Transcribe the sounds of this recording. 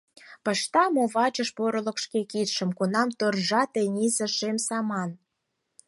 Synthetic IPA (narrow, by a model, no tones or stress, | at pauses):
pəʃt̪ɑmoβɑt͡ɕəʃpoɾə̆lə̆kʃkekit̪ʃə̆mkunɑmt̪orʒɑt̪enʲizə̆ʃemsɑmɑn